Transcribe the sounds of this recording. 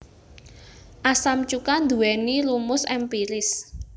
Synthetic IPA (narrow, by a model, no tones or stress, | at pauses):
ʔasamt͡ʃukand̪ṳwɛnilumʊsɛmpiɾɪs